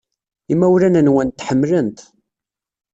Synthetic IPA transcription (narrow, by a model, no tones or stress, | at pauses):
imæwlænənwænt̪ːħəmːlənt̪